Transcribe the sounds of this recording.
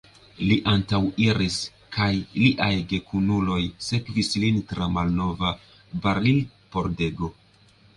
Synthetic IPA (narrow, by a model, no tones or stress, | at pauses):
liʔantawiɾis | kʰajliʔajɡe̞kʰunulo̞jse̞kvislintɾamalno̞va | baɾlil | po̞ɾde̞ɡo̞